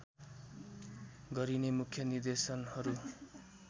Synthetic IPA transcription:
ɡʌɾinemukʰjʌnird̪esʌnhʌɾu

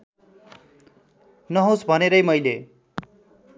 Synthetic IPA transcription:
nʌɦosbʱʌneɾʌjmʌjle

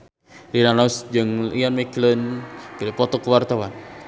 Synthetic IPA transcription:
ɾinanasd͡ʒəŋianmeklənkədipɔt̪ɔkəwart̪awan

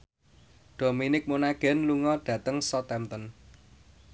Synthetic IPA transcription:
ɖ̪̥o̤minɪk̚monaɡ̥ɛ̤nluŋɔɖ̥ä̤t̪əŋsɔt̪ɛmt̪ən

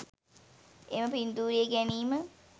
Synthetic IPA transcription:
eməpind̪uːɾijeɡæniːmə

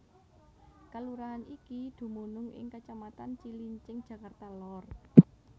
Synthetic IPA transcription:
kəluɾaːnikid̪̥ṳmunʊŋɪ̰ŋkət͡ʃamat̪ant͡ʃiliɲt͡ʃɪŋd̥ʒ̥ä̤kart̪alɔr

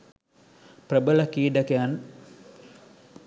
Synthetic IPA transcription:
prəbəlakiːdakean

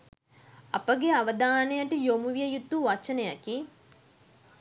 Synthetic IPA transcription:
apəɡeaʋəd̪aːnejəʈəjomuʋijəjut̪ːuʋat͡ʃɐnəjaki

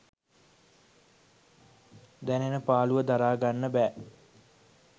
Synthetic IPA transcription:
d̪ɛnenəpaːluʋəd̪aɾaːɡanːəbɛː

